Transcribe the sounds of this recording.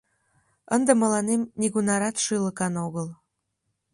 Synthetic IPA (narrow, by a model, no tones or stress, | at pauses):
ənd̪ə̆mə̆lɑnemnʲiɣunɑɾɑt̪ʃɨləkɑnoɣəl